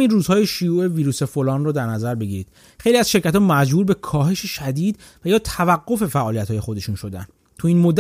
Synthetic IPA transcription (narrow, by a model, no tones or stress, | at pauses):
miːnruːzhɒːje̞ʃujuːʔe̞viːɾuːse̞folɒːnrɔːd̪æɾnæzæɾbe̞ɟiɾiːd̪̥ | xejliæz̥ʃe̞ɾcʰæt̪ʰɒːmæd͡ʒbuːɾbe̞kʰɒːɦe̞ʃeʃæd̪iːd̪ | væjɒːt̪ʰævæɡːo̞fe̞fæʔɒːlijæt̪hɒːje̞xo̞d̪e̞ʃunʃo̞d̪æ̰n | t̪ʰuiːnmod̪ːæ